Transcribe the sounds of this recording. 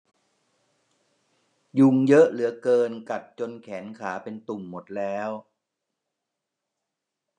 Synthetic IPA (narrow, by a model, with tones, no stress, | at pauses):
ju˧ŋjɤ˦˥ʔlɯ˩˦ɐkɤː˧nka˨˩t̪̚t͡ɕo˧nkʰɛː˩˦nkʰaː˩˦pe˧nt̪u˨˩ŋmo˨˩t̪̚lɛː˦˥w